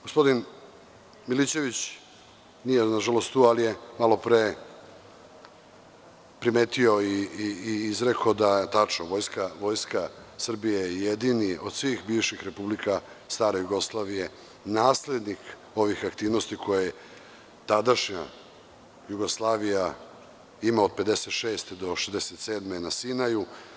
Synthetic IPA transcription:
ɡ̥ospo̞d̪in | milit͡ɕe̞ʋit͡ɕ | nijenaʒalo̞st̪t̪uːalije̞malo̞pɾeː | pɾimet̪io̞iː | izɾekod̪aet̪at͡ʃnoʋo̞ːjskaʋo̞jskasr̩bijejed̪inio̞d̪sʋiːxbiːʋʃixɾe̞publika | st̪aːɾajuɡo̞slˠaːʋije̞ | naːsle̞d̪nik | o̞ʋixakt̪iːʋno̞st̪ikʰo̞jaje | t̪ad̪aʃɲa̰ | juɡoslˠaːʋija | imaod̪̚pe̞d̪e̞set̪ʃe̞ːst̪ed̪o̞ʃezd̪e̞set̪seːd̪menasinaju

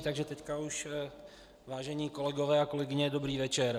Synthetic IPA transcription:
t̪aɡʒɛt̪ɛckauʃ | vaːʒɛɲiːko̞lɛɡo̞vɛːako̞lɛɡɪɲɛdo̞bɾiːvɛt͡ʃɛɾ

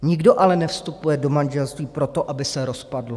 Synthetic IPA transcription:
ɲɪɡdo̞ʔalɛnɛfst̪upujɛdo̞manʒɛlst̪viːpɾo̞t̪o̞ʔabɪsɛɾo̞spadlo

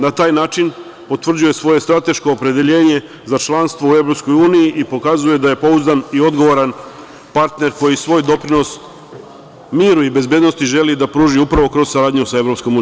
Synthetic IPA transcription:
nat̪aːjnaːt͡ʃin | po̞t̪ʋr̩d͡ʑuje̞sʋo̞je̞st̪ɾat̪e̞ʃko̞ːpɾe̞d̪e̞ʎe̞ːɲe̞ | zat͡ʃlˠanst̪ʋo̞ue̞vɾo̞psko̞juːnijiʔipo̞kazuje̞d̪aje̞po̞uzd̪anio̞d̪ɡo̞ʋo̞ɾan | paɾt̪ne̞ɾko̞jisʋo̞ːjd̪o̞pɾinos | miːɾuibe̞zbe̞d̪nost̪iʒe̞lid̪apɾuːʒiupɾaʋo̞kɾo̞zsaɾaːd̪ɲusaevɾo̞psko̞mun

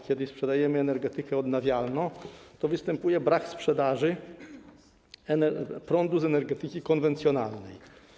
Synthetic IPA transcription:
kʲjɛd̪ɘspʂɛd̪ajɛmɘɛnɛɾɡɛt̪ɘkɛɔd̪navʲjalnɔ̃w̃t̪ɔvɘst̪ɛmpujɛbɾakspʂɛd̪aʐɘ | ɛnɛpɾɔnd̪uzɛnɛɾɡɛt̪ɘkʲikɔnvɛnt̪sʲjɔnalnɛj

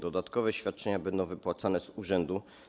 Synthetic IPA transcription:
d̪ɔd̪at̪kɔvɛɕfʲjat̪̚t͡ʂɛɲabɛnd̪ɔ̃w̃vɘpwat̪sanɛzuʐɛnd̪u

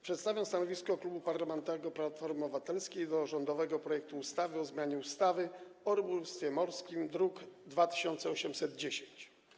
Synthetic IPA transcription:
pʂɛt̪st̪avʲjɔ̃w̃st̪anɔvʲiskɔklubupaɾlamɛnt̪ɔvɛɡɔplat̪fɔɾmɔvat̪ɛlskʲejd̪ɔʐɔnd̪ɔvɛɡɔpɾɔjɛk̚t̪uːst̪avɘɔzmjaɲɛust̪avɘɔɾbulst̪fʲjɛmɔɾskʲimd̪ɾukd̪vat̪ɘ̥ɕɔnt̪sɛɔɕɛmsɛd̪d͡ʑeɕeɲt͡ɕ

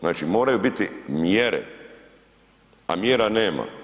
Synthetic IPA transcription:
naːt͡ʃimo̞ːɾajubit̪imjeɾḛ | a̰mjeɾaneːma̰

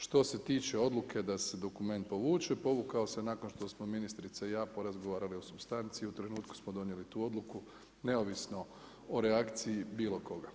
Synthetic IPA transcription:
ʃt̪o̞se̞t̪iːt͡ʃeo̞d̪lˠukʰe̞d̪ase̞d̪o̞kume̞nt̪̚po̞ʋuːt͡ʃepo̞ʋukao̞se̞nako̞nʃt̪o̞smominist̪ɾit̪saijaːpoɾazɡo̞ʋaːɾalio̞subst̪ant̪siːut̪ɾe̞nuːt̪ku̥smod̪o̞nje̞lit̪uːo̞d̪luku | ne̞oʋisno̞ | oɾeakt̪siibiːlo̞ko̞ɡa

